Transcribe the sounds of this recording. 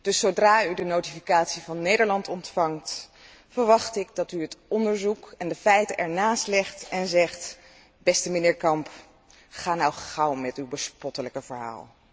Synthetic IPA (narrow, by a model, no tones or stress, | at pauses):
d̥ɵsːowdraːydənowtifikaːtsivɑnːejdəɹlɑntɔntfɑŋt | fəɹʋɑχtɪk̚dɑtyɦətɔndəɹzukɛndəfɛjtəʔɛɹnaːstlɛχtɛnzɛχt | bɛstəmənɪːɹkɑmp | χaːnawχawmɛtywbəspɔtələkəvəɹɦa̰ːlˠ